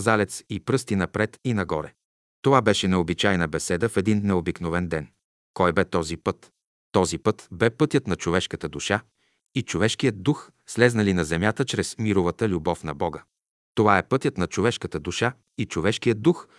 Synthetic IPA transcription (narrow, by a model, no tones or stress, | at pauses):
zalɛt̪sipɾɤst̪inɐpɾɛt̪inɐɡɔɾɛ | t̪ovabɛʃɛnɛobit͡ʃajnəbɛsɛd̪əfɛd̪inːɛobiknovɛnd̪ɛn | kɔjbɛt̪ɔzipɤt̪ː | ɔzipɤt̪bɛpɤt̪jət̪nɐt͡ʃovɛʃkət̪əd̪uʃa | it͡ʃovɛʃkijəd̪̚d̪ux | slɛznɐlinɐzɛmʲjat̪ət͡ʃɾɛsmiɾʊvət̪əlʲubɔfnɐbɔɡə | t̪ovaɛpɤt̪ʲjət̪nɐt͡ʃovɛʃkət̪əd̪uʃa | it͡ʃovɛʃkijəd̪̚d̪ux